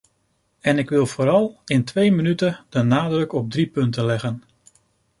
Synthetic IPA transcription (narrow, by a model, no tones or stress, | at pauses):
ɛnɪkʋɪlˠv̥oːɾɑlˠɪntʋejmənytəd̥ənaːdrɵkɔb̚dripɵntəlɛɣən